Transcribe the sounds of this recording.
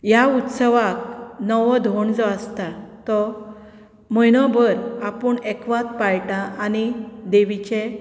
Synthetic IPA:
jaut̪səʋak̚nɔʋɔd̪ʱoɳd͡zɔəst̪at̪ɔ | məjnɔbəɾapəɳɛkʋat̪pajʈãʔanid̪eʋit͡ɕe

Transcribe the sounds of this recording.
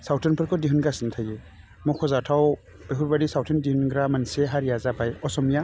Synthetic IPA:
sawtʰɔnpʰɯɾkʰɔdiɦunɡɾasintʰaje | mɔkʰɔzatʰaw | beɦuɾbadisawtʰɔndihunɡɾamanseɦaɾijazabajɔsɔmija

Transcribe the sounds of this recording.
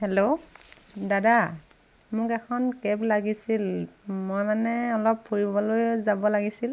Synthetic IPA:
hɛlo | dada | mʊkɛkʰɔnkɛblaɡisilmɔjmanɛɔlɔppʰːuɹibɔlojzabɔlaɡisil

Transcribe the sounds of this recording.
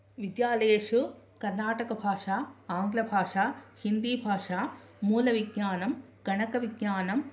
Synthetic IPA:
ʋɪd̪jaːleːʂu | kɐɾnaːʈɐkɐbʱaːʂaːaːŋɡlɐbʱaːʂaːhind̪iːbʱaːʂaː | muːlɐʋɪɡjaːnɐmɡ̥ɐɳɐkɐʋɪɡjaːnɐm

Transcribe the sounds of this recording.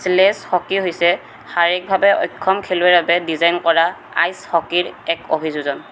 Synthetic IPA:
slɛshɔkiɦojsɛ | haɹɛk̚bʱabɛɔ̰jkʰːɔmkʰeluɛɹbabɛdizajnkɔɹa | a̰jshɔkiɹɛkobʱizuzɔn

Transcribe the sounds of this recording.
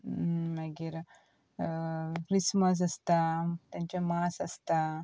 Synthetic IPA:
mɐɡiɾ | kɾisməs̬ɐst̪at̪jaɲt͡ɕamaːsɐst̪a

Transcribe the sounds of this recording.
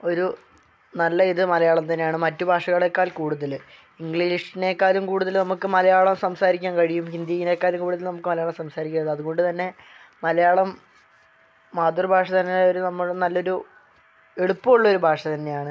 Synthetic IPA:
o̞ɾu | nɐlːɐiðɨmɐlɐjaːɭɐmt̪ɐnːejaːɳɨmɐtːubʱaːʂɐɣɐɭekːaːlkuːɽuðɐl | iŋɡɭiːiʂine̞ːkːaːɾumkuːɽuðɐlnɐmukːɨmɐlɐjaːɭɐmsɐmsaːɾikʲːaːnkɐɻijumhind̪jijine̞ːkːaːɾumkuːɽuðɐlnɐmukːɨmɐlɐjaːɭɐmsɐmsaːɾikʲːɳːɐðɨɐðuɣo̞ɳɖɨt̪ɐnːe̞ | mɐlɐjaːɭɐm | aːt̪ːurɐbʱaːʂɐt̪ɐnːeoɾunɐmːuɽenɐlːo̞ɾu | e̞ɽupːɐmuɭːɐo̞ɾubʱaːʂɐt̪ɐnːe̞jaːɳɨ

